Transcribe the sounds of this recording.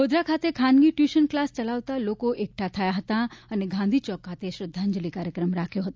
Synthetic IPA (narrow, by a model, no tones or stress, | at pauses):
od̪ɾakʰat̪ekʰanɡiʈjuʃənklast͡ʃəlaʋt̪alokoʔek̚ʈʰat̪ʰəjaɦət̪aəneɡʱãnd̪ʱit͡ʃɔkʰːat̪eʃɾəd̪ʱːaɲd͡ʒəlikaɾjəkɾəmɾakʰjoɦət̪o